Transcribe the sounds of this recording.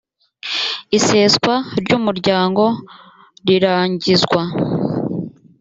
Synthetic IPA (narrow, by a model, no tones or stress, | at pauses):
ise̞ːskwaɾɟuːmuɾɟaːŋɡo̞ | ɾiɾaːɲɟizɡwa